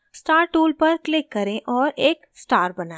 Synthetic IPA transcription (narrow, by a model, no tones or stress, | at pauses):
sʈaːɾʈuːlpɐɾklɪkːɐɾẽʔɔːɾʔeːksʈaːɾbɐnaː